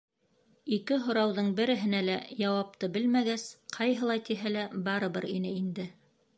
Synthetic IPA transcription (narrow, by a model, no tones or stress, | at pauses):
ikɘɦŏɾɑwðɤɴbɘ̆ɾɘ̆ɦɘ̆nælæjɑwɑp̚t̪ɤbɘlmæɡæsqʰɑjɦɤ̆lˠɑt̪iɦælæbɑɾɤ̆βɤ̰ɾinɘind̪ɘ